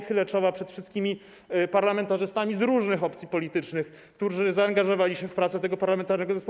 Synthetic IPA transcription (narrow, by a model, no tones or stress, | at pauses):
xɘlɛt͡ʂɔvapʂɛt̪fʂɘst̪̚kʲimʲi | paɾlamɛnt̪aʐɘst̪amʲizɾuʐnɘxɔpt̪sʲipɔlʲit̪ɘt͡ʂnɘx | kt̪uʐɘzaːŋɡaʐɔvalʲiɕɛfpɾat̪sɛt̪ɛɡɔpaɾlamɛnt̪aɾnɛɡɔzɛspɔ